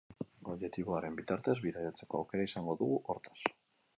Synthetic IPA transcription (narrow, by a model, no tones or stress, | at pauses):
oβʝe̞t̪iβoaɾe̞mbit̪aɾt̪e̞zβiðajat͡se̞ko̞a̰wke̞ɾaisaŋɡo̞ðuɣuʔo̞ɾt̪ḁs